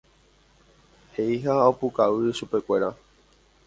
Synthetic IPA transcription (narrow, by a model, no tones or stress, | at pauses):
heiɦaopukaʋɨʃupe̞kʷe̞ɾa